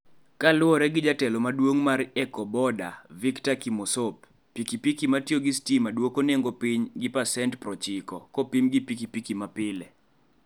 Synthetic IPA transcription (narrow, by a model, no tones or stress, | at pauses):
kalʊɔɾɛɡɪd͡ʒatɛlɔmadwoŋmaɾɛkɔbɔda̰viktakimosopː | ikipikimatjoɡistimadwokoneŋɡopɪɲɡɪpasɛntpɾɔt͡ʃɪkɔ̰kopimɡipikipikimapɪlɛ